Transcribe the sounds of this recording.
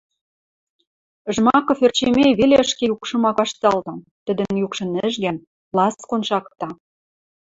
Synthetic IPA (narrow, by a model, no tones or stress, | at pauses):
əʒmɑkɤ̆fert͡ɕemeβeleəʃkejukʃɤ̆mɑkɑʃt̪ɑlt̪ɑm | t̪ə̆d̪ə̆njukʃɤ̆nɘ̆ʒɡæn | lɑskonʃɑkt̪ɑ